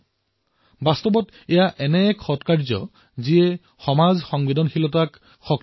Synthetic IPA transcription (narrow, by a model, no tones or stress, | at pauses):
bastɔbɔt | ɛjaʔɛnɛːkxɔtkaɹzɔ̰ | ziɛ | xɔmazxɔŋbidɔnxilɔtak | xɔk